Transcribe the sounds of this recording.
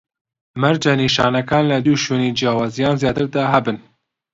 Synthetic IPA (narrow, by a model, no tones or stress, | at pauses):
mæɾd͡ʒaniːʃɑːnakɑːnlɛd̪uːʃoːniːd͡ʒijɑːwɑːzijɑːnzjɑːt̪ɨɾd̪ɑːɦɛbɨn